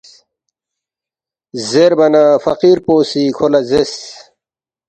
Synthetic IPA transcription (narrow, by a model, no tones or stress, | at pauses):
zeɾbɐnafɐqiɾpoːsikʰolɐzes